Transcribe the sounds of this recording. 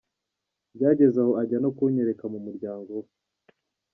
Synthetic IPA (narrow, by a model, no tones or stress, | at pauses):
bɟaːɟe̞zahoaɟano̞kuɲeɾe̞kamumuɾɟaːŋɡo